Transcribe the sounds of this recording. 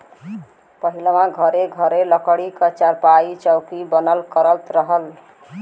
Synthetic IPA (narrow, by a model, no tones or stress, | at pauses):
pəɦilmãɡʱʌɾeɡʱəɾeləkəɽikət͡ʃaɾpait͡ʃəwkibənəlkəɾəlt̪ɾəɦəl